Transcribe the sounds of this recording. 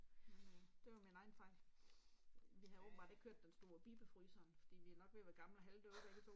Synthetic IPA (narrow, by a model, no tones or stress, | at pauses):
d̥e̝jominɑ̈ɪn̩fɑ̈ɪ̰ | ʋihɑɔːb̥m̩bɑ̈de̝ɡ̥kʰøɐ̰d̥ːensd̥o̝ːɐb̥iːb̥əfʁyːsɐnfɒ̽d̥ḭːʋiænɒ̽ɡ̥ʋeʋæɡ̥ɑ̈mlɐɦæld̥øɐ̥eɡ̥ət͡sʰo̝̰